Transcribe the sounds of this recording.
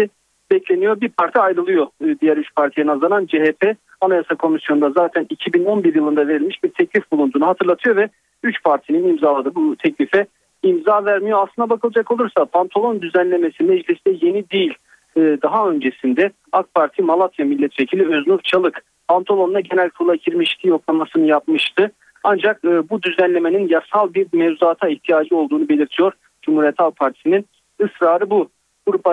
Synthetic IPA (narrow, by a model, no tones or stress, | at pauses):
i | bɛcʰlʲe̞nijo̞ɾbiɾpʰaɾt̪ʰiajɾɯlˠɯjo̞d̪ijæɾyt͡ʃpʰaɾt̪ʰijenazanand͡ʒeɦepʰɛ | anajasakʰo̞misjo̞nd̪azaːt̪ʰænicʰibino̞nbiɾjɯlˠɯnd̪ave̞ɾilʲmiʃbiɾt̪ʰɛclʲifbulˠund̪uːnuɦat̪ʰɯɾlˠat̪ʰɯjo̞vɛ | yt͡ʃpʰaɾt̪ʰininimzaːlˠad̪ɯːbut̪ʰɛclʲifɛ | imzaːvæɾmijo̞aslˠɯnd̪abakʰɯlˠad͡ʒako̞lˠuɾsapʰant̪ʰolˠo̞nd̪yzænlʲe̞mesinmmɛd͡ʒlʲisd̪ɛje̞nid̪ijilʲː | d̪aɦaø̞nd͡ʒesind̪ɛ | ak̪̚pʰaɾt̪ʰimalˠat̪vjamilʲːɛt̪vecʰilʲiøznuɾt͡ʃʰalˠɯk | pʰant̪ʰolˠo̞nd̪aɟe̞nælʲkʰuɾlˠaɟʰiɾmiʃt̪ʰijo̞klˠamasɯnɯjapmɯʃt̪ʰɯ | and͡ʒakɯːbud̪yzænlʲe̞me̞ninjasalˠbiɾmevzaːt̪ʰaiht̪ʰijaːd͡ʒɯo̞lˠd̪uːnube̞lʲiɾt̪ʰijo̞ɾ | d͡ʒumhuɾijɛt̪ʰalˠpʰaɾt̪ʰi̥sinin | ɯsɾaːɾɯbu | ɡ̥uɾupa